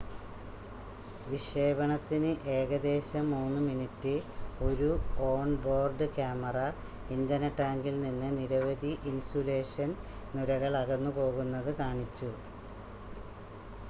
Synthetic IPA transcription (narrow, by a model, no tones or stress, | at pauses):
ʋiʂe̞ːbɐɳɐt̪ːinɨʔe̞ːɣɐd̪e̞ːɕɐmuːnːɨminitːɨo̞ɾuo̞ːɳbo̞ːrɖɨkaːmɐrɐ | ind̪ɐnɐʈːaːŋɡilninːɨniɾɐʋɐd̪ʱiʔinsule̞ːʂɐn | nuɾɐɣɐɭɐɣɐnːupo̞ːɣunːɐðɨkaːɳit͡ɕːu